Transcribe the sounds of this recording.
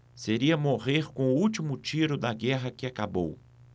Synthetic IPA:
seɾiɐmoʁeɾkõʊuwt͡ʃimʊt͡ʃiɾʊd̪ɐɡɛɦɐkɪakabo̰w

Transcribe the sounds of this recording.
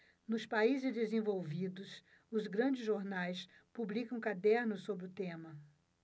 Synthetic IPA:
nʊspaizɪzd̪ezẽvowvid̪ʊs | ʊzɡɾɐ̃d͡ʒɪzʒoɾnajspublikɐ̃w̃kad̪ɛɾnʊssobɾɪʊt̪ẽmɐ

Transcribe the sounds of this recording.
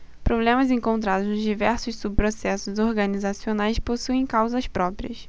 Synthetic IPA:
pɾoblẽmɐzẽŋkõnt̪̬ɾad̪ʊznʊzd͡ʒivɛɾsʊssubpɾosɛsʊzoɾɡɐnizasionajsposuẽj̃kawzɐspɾɔpɾiɐs

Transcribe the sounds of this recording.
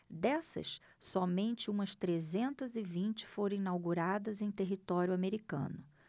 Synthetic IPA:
d̪ɛsɐ̰s | sɔmẽnt͡ʃɪũmɐst̪ɾezẽnt̪ɐzɪvĩnt͡ʃɪ̥foɾɐ̃ĩnawɡuɾad̪ɐzẽj̃t̪eɦit̪ɔɾjʊameɾikɐ̰̃nʊ

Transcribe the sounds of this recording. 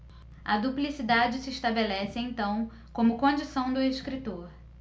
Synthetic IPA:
ɐ̰d̪uplisid̪ad͡ʒɪsɪeʃt̪abelɛsɪẽt̪ɐ̃w̃ | kõmʊkõd͡ʒisɐ̃w̃d̪ʊeʃkɾit̪oɾ

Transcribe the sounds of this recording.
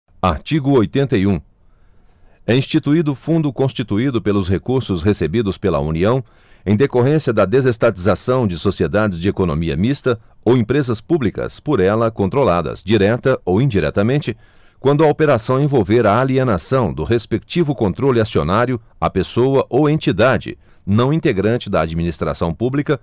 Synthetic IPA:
aɾt͡ʃiɡʊojt̪ẽnt̪ɐjũ | ɛĩst͡ʃit̪uid̪ʊfũnd̪ʊkõst͡ʃit̪uid̪ʊpelʊshekuɾsʊshesebid̪ʊspelɐ̰ṵniɐ̃w̃ | ẽj̃d̪ekoɦẽsiɐd̪ɐd̪ezest̪at͡ʃizasɐ̃w̃d͡ʒɪsosied̪ad͡ʒɪzd͡ʒɪekonõ̰miɐ̰mist̪ɐ | owẽpɾezɐspublikɐ̰spoɾɛlɐkõnt̪ɾolad̪ɐ̰zd͡ʒiɾɛt̪ɐowĩd͡ʒiɾɛ̰t̪ɐmẽnt͡ʃɪ | kwɐ̃nd̪ʊɐopeɾasɐ̃w̃ẽvowveɾɐːlienasɐ̃w̃d̪ʊɦespekt͡ʃivʊkõnt̪ɾolɪasionaɾjʊ | apesowɐʔowẽnt͡ʃid̪ad͡ʒɪ̰ | nɐ̃w̃ĩnt̪eɡɾɐ̃nt͡ʃɪd̪ɐad͡ʒiminist̪ɾa̰sɐ̃w̃publikɐ

